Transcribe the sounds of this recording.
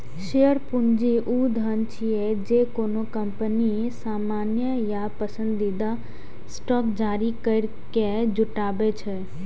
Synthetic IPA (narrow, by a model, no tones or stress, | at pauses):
ʃejəɾpʊnd͡ʒiʔuːd̪ʱənt͡ʃʰiɛd͡ʒekoːnokə̃mpəni | saːmaːnjəjapəsə̃nd̪id̪a | sʈɔːkd͡ʒaːɾikəɪɾ | ked͡ʒʊʈaːbet͡ʃʰɛ